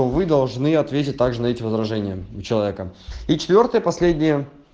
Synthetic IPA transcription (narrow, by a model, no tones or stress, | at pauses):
ovɨd̪ɐlˠʐnɨɐt̪vʲet̬ʲɪt̚ʲt̪aɡʐɨnɐɛtʲɪvəzɾɐʐɛnʲɪjəʊt͡ɕɪlˠɐvʲekəit͡ɕɪ̥t̪vʲo̞rt̪əjəpɐsʲlʲedʲnʲɪjə